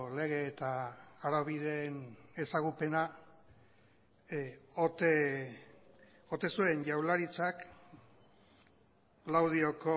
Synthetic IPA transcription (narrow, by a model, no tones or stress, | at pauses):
le̞ɣ̞e̞ːt̪aːɾaβiðe̞ːne̞saɣupe̞na | ot̪e | o̞t̪e̞sue̞nʝawlaɾit͡sak | lawðio̞ko̞